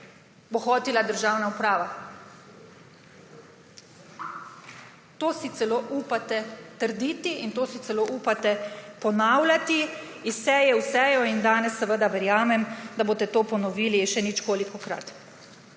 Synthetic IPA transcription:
boxɔːt̪ilad̪əɾʒawnaupɾaːʋa | t̪oːsit̪sɛloːʔuːpat̪ɛt̪əɾd̪iːt̪iint̪oːsit̪sɛloʔuːpat̪ɛpɔnawlʲat̪iisɛjɛwsɛːjɔind̪aːnɛsːɛʋəd̪aʋɛɾjaːmɛmd̪aboːt̪ɛt̪oːpɔnɔʋiːliʃɛnit͡ʃkoːlikɔkɾa̰t̪

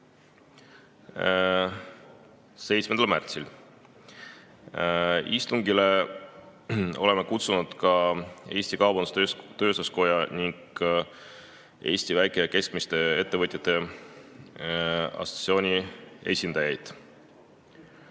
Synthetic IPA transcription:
se̞jt̪smed̪ɑlmært̪sil | ist̪uŋɡile̞ | o̞le̞me̞kut̪sunud̪̥kɑe̞ːsʲt̪ikɑwbɑnd̪u̥st̪øt̪ø̞ːsosko̞jɑniŋɡ̥ | ʔe̞̰ːst̪ivæjkˑeke̞sk̚mist̪e̞e̞t̪ːe̞vɨt̪ʲjɑt̪ːˑe̞ | ɑ̰so̥t̪sio̞ːnʲie̞̰sʲind̪ɑjɑjd̪̥

